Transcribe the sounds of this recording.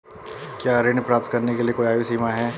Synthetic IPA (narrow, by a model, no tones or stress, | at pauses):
kjaːɾɪɳpɾaːp̚t̪̚kɐɾnekeliekoiaːjisiːmaɦɛː